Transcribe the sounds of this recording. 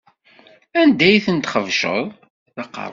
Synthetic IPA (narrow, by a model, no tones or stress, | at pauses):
ænd̪æjθənt̪χəvʃə̰ðˤ | θɑqɑ̰ɾˤ